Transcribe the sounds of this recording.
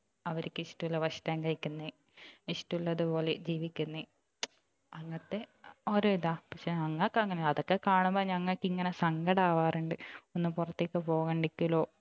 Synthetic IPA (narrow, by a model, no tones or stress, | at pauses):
ɐʋɐɾikʲːɨiʂtɐulːɐʋɐɕtaːŋkɐjikʲːunːi | iʂtulːɐðupo̞ːle̞d͡ʑiːʋikʲːunːɨ | ɐŋːɐt̪ːeoːɾoːiðaːpɐkʂeɐŋːɐɭkːɐŋːɐnɐðokːe̞kaːɳumboɲɐŋːɐɭkːiŋːɐnesɐŋɡɐɽaːʋaːruɳɖɨonːupurɐt̪ːikʲːɐpoːɣɐɳɖikʲːilo̞ː